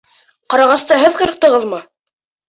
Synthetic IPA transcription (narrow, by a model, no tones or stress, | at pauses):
qɑɾɑʁɑst̪ɑɦɘðqɤ̆ɾɤ̆q̚t̪ɤ̆ʁɤ̆lˠmɤ